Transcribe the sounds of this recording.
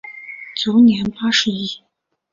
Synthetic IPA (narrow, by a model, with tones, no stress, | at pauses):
t͡ɕo˨˧˥ʊnjɛ˧˥npa˥ʂɻ̩˧˥i˥˩